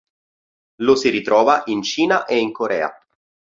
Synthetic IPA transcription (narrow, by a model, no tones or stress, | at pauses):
losiɾit̪ɾɔːvaʔint͡ʃiːnaʔeiŋkoɾɛ̰ːa̰